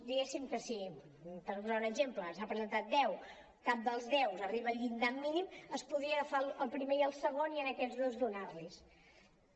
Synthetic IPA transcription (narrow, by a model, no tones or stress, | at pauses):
d̪iɣesimkəsi | t̪əɾpuzaunəɡʒempləsapɾəzənt̪at̪̚d̪ɛw | kap̚d̪əlˠzðɛwzəriβəʎind̪amːiniməspuðɾiəɣəfaləlˠpɾimeiəlˠsəɣoniənəkɛd͡zzðozd̪unarlis